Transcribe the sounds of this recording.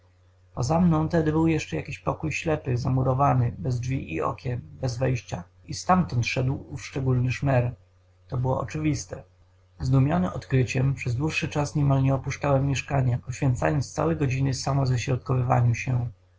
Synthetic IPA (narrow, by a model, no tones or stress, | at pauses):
pɔzamnɔ̃w̃t̪ɛd̪ɘbɘwjɛʂt͡ʂɛjakʲiɕpɔkujɕlɛpɘzamuɾɔvanɘbɛzd͡ʐvʲiʔḭɔ̰kʲɛmbɛzvɛjɕt͡ɕa | ist̪amt̪ɔnt̪ʂɛd̪wuʂt͡ʂɛɡulnɘʂmɛɾ | t̪ɔbɘwɔʔɔ̰t͡ʂɘvʲist̪ɛ | zd̪umʲjɔnɘmɔt̪kɾɘt͡ɕɛmpʂɛzd̪wuʂːɘt͡ʂasɲɛmalɲɛɔpuʂt͡ʂawɛmːjɛʂkaɲapɔɕfʲjɛnt̪sa̰jɔnt̪st̪sa̰wɛjɡɔd͡ʑinɘsamɔzaɕɾɔt̪kɔvɘva̰ɲuɕɛ